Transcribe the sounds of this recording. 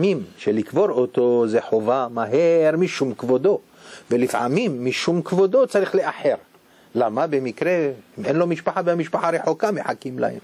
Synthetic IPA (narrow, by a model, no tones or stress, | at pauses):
mimʃelikvo̞ɾot̪ozeħovamaɦeɾmiʃumkvod̪o̞ | velifʕa̰mimːiʃumkvod̪o̞t͡saɾiχleʔaħe̞ɾ | lamabe̞mikɾeimʔenlo̞miʃpaħabeamiʃpaħaɾeħokameħakimla̰hḛm